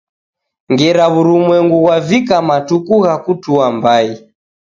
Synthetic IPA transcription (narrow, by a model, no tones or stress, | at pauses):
ŋɡɛɾaβuɾumwɛŋɡuɣwavikamatukuɣakutuambai